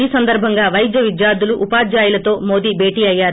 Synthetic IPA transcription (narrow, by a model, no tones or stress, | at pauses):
iːsɐnd̪ɐɾbʱɐŋɡaːʋɐjd̪jɐʋid̪jaːɾd̪uluʔupaːd̪jaːjulɐt̪o̞ːmo̞ːd̪iːbʱeːʈiːɐjːaː